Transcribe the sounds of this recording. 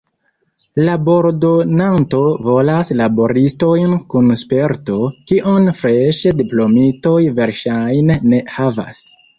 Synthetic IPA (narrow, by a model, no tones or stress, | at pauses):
labo̞ɾdo̞nanto̞vo̞laslabo̞ɾisto̞jnkunspe̞ɾto̞kiʔonfɾeʃediplo̞mito̞jve̞ɾʃajnːe̞hava̰s